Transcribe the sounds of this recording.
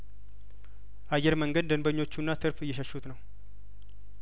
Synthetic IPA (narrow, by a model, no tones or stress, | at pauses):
ʔajːɛɾməŋɡəd̪̚d̪ənbəɲːo̞t͡ʃːunːat̪ʰɨɾfɨjːɛʃəʃut̪nəw